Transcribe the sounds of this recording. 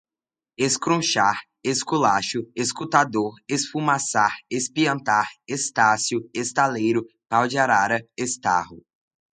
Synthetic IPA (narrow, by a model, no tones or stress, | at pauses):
eskɾõʃaɾ | eskulaʃʊeskut̪ad̪oɾesfumasaɾespiɐ̃nt̪aɾest̪asjʊest̪alejɾʊ | pawd͡ʒiaɾaɾɐest̪a̰hʊ